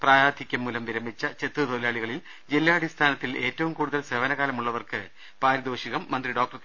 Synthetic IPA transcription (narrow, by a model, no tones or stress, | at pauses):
praːjaːd̪ʱikʲːɐmːuːlɐmʋiɾɐmbit͡ɕːɐt͡ɕe̞t̪ːrud̪oːlaːɭiɣɐɭil | d͡ʑilːjaːɽist̪ʰaːnɐt̪ːile̞ːtːɐʋumkuːɽuðɐlseʋɐnɐɣaːlɐmuɭːɐʋɐrkɨ | paːɾid̪oːɕiɣɐmːɐnd̪riɖo̞ːkʈɐr